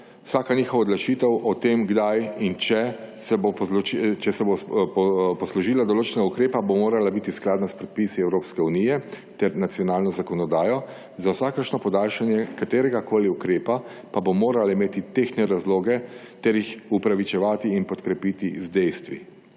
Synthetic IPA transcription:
wsaːkaniːxɔwaɔd̪laʃit̪ɛwʔɔt̪eːmɡd̪ajint͡ʃɛ | sɛbot͡ʃɛsɛbo | pɔslɔʒiːlad̪ɔloːt͡ʃɛnɛɡaukɾeːpabomoːɾalabit̪isklaːd̪naspɾɛt̪̚pisiɛwɾoːpskɛunijɛ | t̪ɛɾnat̪sijɔnaːlnɔzakɔnɔd̪aːjɔ | zawsaːkəɾʃnɔpɔd̪aːlʃanjɛkat̪eːɾɛɡakoːliukɾeːpapabomoːɾalaimeːt̪it̪exnɛɾazloːɡɛ | t̪ɛɾjixupɾaʋit͡ʃɛʋaːt̪iinpɔt̪kɾɛpiːt̪izd̪ɛjst̪ʋḭ

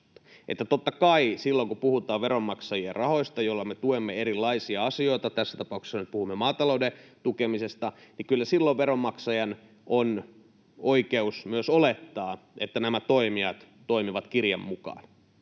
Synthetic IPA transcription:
ʔet̪ːæt̪ot̪ːɑkɑisilːoŋkupuhut̪ˑɑːʋʋeɾomːɑksɑjierɑho̞ist̪ɑjolːɑmet̪uemːeeɾilːɑisiɑɑsio̞it̪ɑt̪æsːæt̪ɑpɑˑukse̥sːɑnyt̪̚puhumːemɑːt̪ɑloudet̪ukemisest̪ɑnikylːæsilːoʋʋeɾomːɑksɑjɑn | ʔon | oikeusmyøsolet̪ːɑːet̪ːænæmæt̪oimiɑt̪ | t̪oimiʋɑt̪kirjɑ̰mːukɑ̰ːn

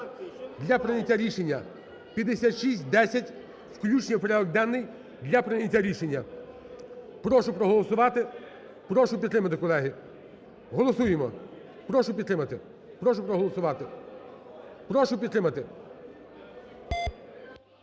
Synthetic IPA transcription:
d̪ʲlʲɐpɾɪnʲɐtʲːaɾʲiʃenʲːɐ | pʲɐd̪esʲat̪ʃisʲtʲd̪ɛsʲɐtʲ | wklʲut͡ʃnʲɐpɔɾʲɔk̚d̪ɛnːɪj | d̪lʲɐpɾɪnʲɐtʲaɾʲiʃenʲːɐ | pɾɔʃʊpɾɔɦɔlˠɔsʊʋɑt̪ɪ | pɾɔʃʊpʲid̪ɾɪmɐt̪ɪkɔlˠɛɦi | ɦɔlˠɔsujemɔ | pɾɔʃʊpʲid̪t̪ɾɪmɐt̪ɪ | pɾɔʃʊpɾɔɦɔlˠɔsʊʋɑt̪ɪ | pɾɔʃʊpʲid̪ɾɪmɐt̪ɪ

